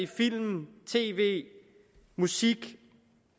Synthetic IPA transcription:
ifil̰mt͡sʰe̝̰ːʋe̝̰ː | musiɡ̥

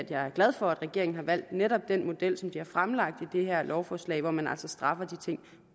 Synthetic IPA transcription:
æd̥jɑ̈ɪæɐɡ̥læð̞ˠfɒ̽æd̥ʁɛɡ̥e̝ɐ̰eŋn̩ɦɑ̈ʋæl̰d̥neɾɒ̽b̥̚d̥en̰mo̝d̥el̰sɒ̽mbd̥iæɐfʁamlɑ̈ɡ̥̚d̥id̥e̝ɦæɐ̰lʔɒʊfɒːslɛ̰ɪʋɒmænæ̰lsɒ̽sd̥ʁɑ̈fɐd̥it͡sʰe̝ŋ̰

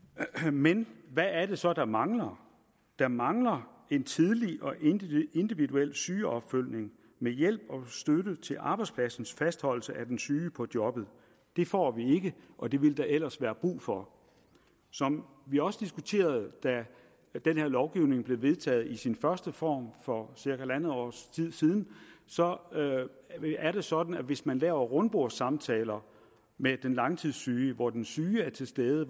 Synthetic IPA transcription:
menʋæːɐɾ̥e̝sɒ̽d̥ɑ̈mɑ̈ŋlɐ | d̥ɑ̈mɑ̈ŋlɐ | e̝nt͡sʰiðˠliɒ̽ʔe̝nd̥iʋiduel̰syːɒ̽b̥føl̰ne̝ŋ | mejel̰b̥ɒ̽sd̥øɾət͡sʰe̝lʔɑ̈b̥ɑ̈ɪdspʰlæsn̩sfæsd̥hɒ̽l̰l̩səʔæd̥ensyːpʰɒ̽d̥jɒ̽b̥ð̩ˠ | d̥e̝fɒ̰ːʋie̝ɡ̥əʔɒ̽d̥e̝ʋe̝ld̥ɑ̈ʔel̰ɐsʋæːɐb̥ʁṵːfɒ̽ | sɒ̽m | ʋiɒ̽səd̥isɡ̥ut͡sʰe̝̰ːɐð̞ˠd̥æ | d̥enheɐ̰lɒʊɡ̥iʊne̝ŋb̥le̝ʋe̝ð̞ˠt͡sʰɛ̰ːð̞̩ˠisinfɶɐsd̥əfɒ̰ːmfɒ̽siɐkæelænð̩ˠɒ̰ːst͡sʰið̰ˠsiːð̞ˠn̩sɒ̽ | æɐɾ̥e̝sɒ̽d̥n̩æʋe̝smænlɛ̰ːʊɐʁɔnb̥o̝ɐ̰sɑ̈mt͡sʰɛ̰ːlɐ | med̥enlɑ̈ŋt͡sʰið̰ˠsyːəʋɒd̥ensyːæɐt͡sʰe̝lsd̥eðˠə

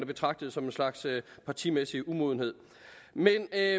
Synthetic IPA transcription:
næb̥e̝t͡sʰʁɑ̈ɡ̥̚d̥əð̩ˠsɒ̽me̝nslɑ̈ɡ̥søpʰɑ̈t͡sʰimesiʔumo̝ð̞ˠən̩e̝ð̞̰ˠ | men

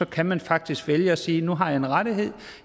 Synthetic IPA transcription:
ɒ̽kʰæmænfɑ̈ɡ̥̚d̥isɡ̥ʋeljəɒ̽siːnuɦɑ̈jɑ̈e̝nʁaɾiɦe̝ð̰ˠ

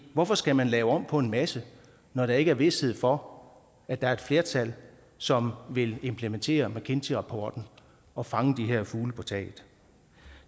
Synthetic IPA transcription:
ʋɒfɒ̽sɡ̥æmænlɛːʊɒ̽m̰pʰɒ̽e̝nmæsə | nɒɾ̥ɑ̈e̝ɡ̥əæɐʋe̝she̝ð̞̰ˠfɒ̽ | æd̥ɑ̈æɐe̝d̥fle̝ɐt͡sʰæl̰ | sɒ̽mʋe̝le̝mpʰlement͡sʰe̝̰ːɐmækʰe̝nt͡sʰiʁɑ̈pʰɒːd̥n̩ | ɒ̽fɑ̈ŋəd̥iɦeɐ̰fuːləpʰɒt͡sʰɛ̰ːɪð̥̩ˠ

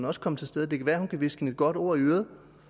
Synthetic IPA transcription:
nɒ̽sə̥kʰɒ̽m̰ət͡sʰe̝lsd̥eð̞ˠd̥e̝kʰæʋæːɐhunkʰæʋe̝sɡ̥he̝ne̝d̥̚ɡ̥ɒ̽d̥o̝ɐ̰iøːð̞̩ˠ

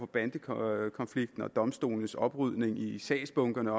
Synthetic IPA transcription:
fɒ̽b̥ænd̥əkʰɒ̽nfliɡ̥d̥n̩ɒ̽d̥ɒ̽msd̥o̝̰ːln̩əsɒ̽b̥ʁyð̞̰ˠne̝ŋisɛ̰ːsb̥ɔ̽ŋɡ̥ɐnəɒ

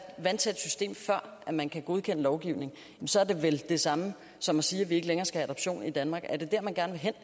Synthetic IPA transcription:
ʋænt͡sʰed̥sysd̥e̝̰ːmfɶɐ̰ʔæmænkʰæɡ̥o̝ð̞ˠkʰen̰əlɒʊɡ̥iʊ̰ne̝ŋ̩jmnsɒ̽æɐd̥e̝ʋeld̥e̝sɑ̈mə | sɒ̽mɒsiːæʋie̝ɡ̥əleŋɐːsɡ̥æhææd̥ɒ̽b̥ɕo̝̰ːnid̥ænmɑ̈ːɡ̥æɐd̥e̝d̥æɐmænɡ̥æɐnəʋe̝ɦen̰

